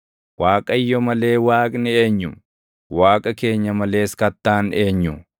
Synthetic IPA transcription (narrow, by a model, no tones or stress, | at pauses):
waːkʼɐjːɔmɐle̞ːwaːkʼnɪe̞ːɲːʊ | waːkʼɐke̞ːɲːɐmɐle̞ːskɐt̪ːaːne̞ːɲːʊ